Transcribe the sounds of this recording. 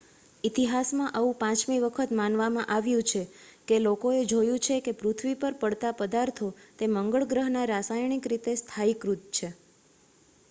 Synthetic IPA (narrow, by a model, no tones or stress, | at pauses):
it̪iɦasmãʔəʋũpãt͡ʃmiʋəkʰət̪manʋamãʔaʋjũt͡ʃʰekelokoed͡ʒojũt͡ʃʰekepɾut̪ʰʋipəɾpəɽt̪apəd̪aɾt̪ʰot̪eməŋɡəɭɡɾəɦnaɾasajɳikɾit̪est̪ʰaikɾut̪̚t͡ʃʰe